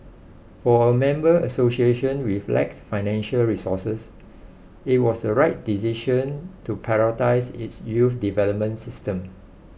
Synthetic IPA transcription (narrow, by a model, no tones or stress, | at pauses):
fɔəmɛ̃mbəəsosieʃə̃nwiflʔɛ̰ksfaɪnɛ̃nʃəlɹisɔsəs | it̚wɔsdəɹaɪt̚disiʃə̃ntupʰɛɹɔtaɪsitsjufdivɛləp̚mə̃nsistə̃m